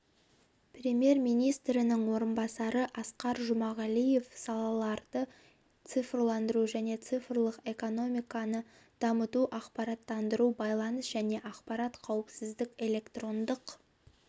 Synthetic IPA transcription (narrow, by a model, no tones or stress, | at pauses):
prʲe̞mje̞ɾmijnijst̪ɾɪnɪŋwo̞ɾənbɑsɑɾəʔɑsqɑɾʒʊmɑʁɑlije̞fsɑlˠɑlˠɑɾd̪̥ə | t̪sɨfrlˠɑnd̪əɾuʒæne̞t̪sɨfrlˠəqe̞ko̞no̞mʲijkɑnə | d̪̥ɑmət̪uʔɑqpɑɾɑt̪ːɑnd̪əɾubɑjlˠɑnəsʒ̥æne̞ʔɑqpɑɾɑt̪qʰɑwəpsɪzd̪ɪkʲe̞lʲe̞kt̪ro̞nd̪əq